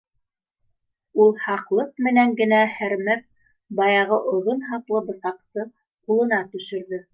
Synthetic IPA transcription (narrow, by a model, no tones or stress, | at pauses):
ulˠhɑqlˠɤq̚mɘ̆næŋɡɘ̆næhæɾmæf̚ | bɑjɑʁɤʔŏðonɦɑq̪lˠɤbɤ̆sɑqt̪ɤ | qulˠɤ̆nɑt̪ɵ̆ʃɵ̆ɾðɵ